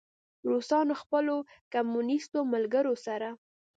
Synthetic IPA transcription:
ɾosɑnoxpəlo | kamunist̪omalɡəɾosaɾa

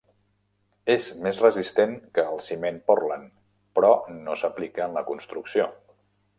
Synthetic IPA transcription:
ezmezrəzist̪eŋkəːlˠsimenpɔrlən | pɾɔnosəplikəənləkunst̪ɾuksio

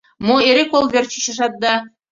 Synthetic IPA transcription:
moeɾekolˠvʲert͡ɕiɕə̆ʃɑt̪̚d̪ɑ

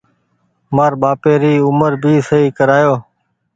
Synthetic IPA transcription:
maːɾɓaːpeːɾiːʊməɾbʱiːsəɦiːkəɾaːjoː

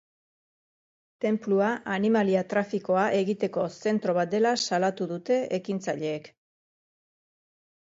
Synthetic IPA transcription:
t̪e̞mpluaanimaliat̪ɾafiko̞aʔe̞ɣit̪e̞ko̞se̞nt̪ɾo̞β̞at̪̚d̪e̞lasalat̪uðut̪e̞ekint͡saʎe̞ːk

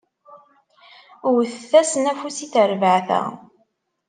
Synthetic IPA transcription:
ʊɾθəθːæsənæfusiθəɾvəʕθæ̰

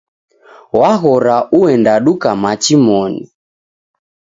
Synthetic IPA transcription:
waɣɔɾaʔuɛndaɗukamat͡ʃimɔni

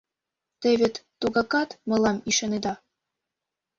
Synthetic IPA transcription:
t̪ĕβʲet̪ːuɣɑkɑt̪mɤ̆lɑmiʃɑned̪ɑ

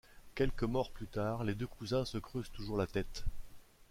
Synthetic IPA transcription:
kʲɛlkəmɔʁplyt̪aːʁled̪økʰuzɛ̃səkχøzt̪uʒuʁlat̪ɛt̪

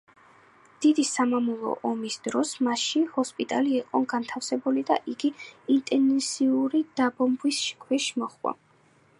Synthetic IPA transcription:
d̪̥id̪isamamulˠɔ̰ʔɔmisd̪ɾɔsmaʃihɔspʼit̪ʼaliɛqʼɔɡant̪ʰafsɛbulid̪a̰ʔiɡiint̪ʼɛnsiuɾid̪̥abɔmbwisʃi̥kʰwɛʃimɔχwa̰

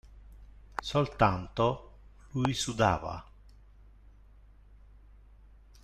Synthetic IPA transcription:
solt̪ant̪olujisud̪a̰ːva̰

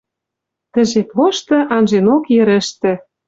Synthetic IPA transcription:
t̪ə̆ʒet̪oʃt̪ɤ̆ʔɑnʒenokjɘ̆ɾɘ̆ʃt̪ĕ

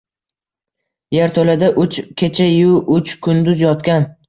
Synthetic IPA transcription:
jaɾt̪ʰolad̪aʔʊt͡ʃkʲʰe̞t͡ʃʰajʊʊt͡ʃkʰʊnd̪ʊzjɒt̪kʲan

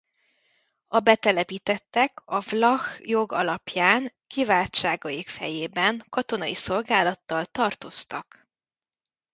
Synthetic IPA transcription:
ɒbɛt̪ɛlɛpiːt̪ɛt̪ːɛkɒvlɒxjo̞ɡɒ̰lɒpjaːŋkivaːlt͡ʃaːɡɒjikfɛ̰jeːbɛŋkɒt̪o̞nɒiso̞lɡaːlɒt̪ːɒlt̪ɒrt̪o̞st̪ɒk

